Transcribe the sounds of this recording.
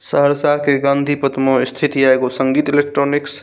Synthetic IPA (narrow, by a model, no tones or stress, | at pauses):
səɦəɾsaɦkeɡãːnd̪ʱipət̪moist̪ʰit̪iaeɡosəŋɡiːt̪ilek̚ʈɾoniks